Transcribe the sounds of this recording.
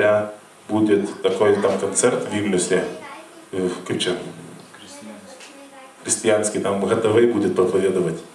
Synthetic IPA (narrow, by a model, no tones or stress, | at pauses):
ɾʲa | budʲɪt̪ːɐkojt̪amkɐnt̪sɛrt̪vʲiɡnʲəsʲe | fklʲʉt͡ɕa | xɾʲɪsʲtʲɪjanskʲɪt̪amɣɐt̪ɐvɨjbudʲɪt̪̚pɾɐpɐvʲed̪əvətʲ